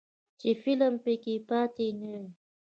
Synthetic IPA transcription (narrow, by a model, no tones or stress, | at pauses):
t͡ʃifiləmpekipat̪inə